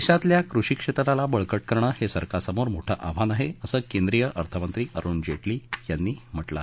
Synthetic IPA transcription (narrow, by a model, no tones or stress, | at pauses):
ɕãt̪ljakɾuʂiːkʂet̪ɾalabəɭkəʈ̚kəɾɳəːhesəɾkasəmoɾmoʈʰəʔab̤ʱanaɦeəsəːkend̪ɾijəʔəɾt̪ʰəmənt̪ɾiːʔəɾuːnd͡ʑeʈliːjanːiːm̤əʈla̰